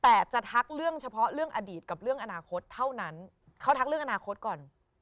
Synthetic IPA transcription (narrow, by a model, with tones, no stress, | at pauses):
t̪ɛː˨˩t͡ɕa˨˩t̪ʰa˦˥k̚ɾɯ˥˩əŋt͡ɕʰa˧pʰɔ˦˥ɾɯ˥˩əŋʔa˧diː˨˩t̪̚ka˨˩p̚ɾɯ˥˩əŋʔa˧naː˧kʰo˦˥t̪ʰːa˥˩wna˦˥n | kʰa˦˥wt̪ʰa˦˥ɾɯ˥˩ŋʔa˧naː˧kʰo˦˥t̪̚kɔː˨˩n